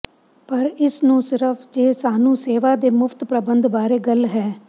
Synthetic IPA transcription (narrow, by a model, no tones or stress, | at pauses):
pəɾɪsnũːsɪɾəfʰd͡ʒeːsaːnũːseːʋaːd̪eːmʊfʰt̪pɾəbənd̪baːɾeːɡəlɦɛː